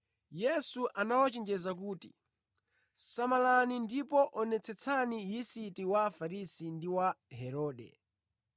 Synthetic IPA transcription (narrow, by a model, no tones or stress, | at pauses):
jɛsuʔanawat͡ʃɛnd͡ʒɛzak̬uːtḭ | samalanindipɔʔɔnɛt͡sʰɛt͡sʰanijisitiwafaɾisindiwaɦɛɾɔːɗɛ̰